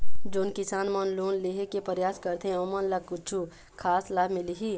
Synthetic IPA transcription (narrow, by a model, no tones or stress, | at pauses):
d͡ʒoːnkɪsaːnmɐnloːnleɦekepəɾjaːskəɾt̪ʰeẽõːmənləkːʊt͡ʃʰu | kʰaːslaːbmɪliɦi